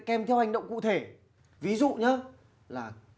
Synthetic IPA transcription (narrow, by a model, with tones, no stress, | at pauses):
kɛ˧˩mt̪ʰɛ˧wha˨˩ŋ̟ɗə˧˨wŋ͡mkṵ˧˨t̪ʰe˧˩ | vi˨˦zṵ˧˨ɲə˨˦ | laː˨˩